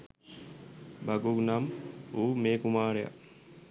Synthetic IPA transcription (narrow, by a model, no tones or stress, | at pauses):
baɡuɡnamuːmeːkumaːɾeja̰